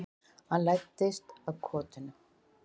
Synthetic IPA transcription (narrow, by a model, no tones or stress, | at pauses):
hanlajt̪ːɪst̪avkʰɔːt̪ʏnʏ